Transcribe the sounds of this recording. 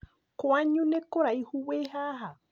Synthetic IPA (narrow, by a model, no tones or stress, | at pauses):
koaɲũnẽkoɾaihuweɦaɦa